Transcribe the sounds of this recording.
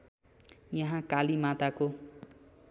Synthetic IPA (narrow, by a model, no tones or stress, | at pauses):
jʌɦãkalimat̪ako